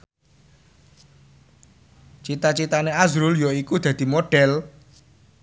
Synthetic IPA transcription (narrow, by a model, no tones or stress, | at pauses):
t͡ʃit̪at͡ʃit̪aneazɾʊljɔikud̪̥ä̤d̪̥i̤moɖ̥ɛl